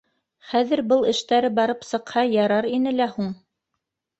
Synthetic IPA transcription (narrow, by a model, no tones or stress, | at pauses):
χæðɘɾbɤlˠɘ̆ʃt̪æɾɘbɑɾɤpsɤ̆qhɑjɑɾɑɾinɘlæhuɴ